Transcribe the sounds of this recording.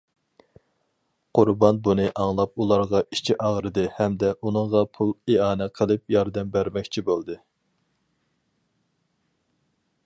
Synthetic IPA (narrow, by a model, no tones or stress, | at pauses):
qʰʊɾbɑnbunɨʔɑŋlˠɑp̚ulˠɑɾʁɑʔit͡ʃʰiʔɑʁɾɨd̪ɨhɛmd̪ɛʔunɨŋʁɑpʰulˠeɑːnɛqʰəlˠɨp̚jɑɾd̪ɛmbæɾmɛkʲt͡ʃʰibolˠd̪ɨ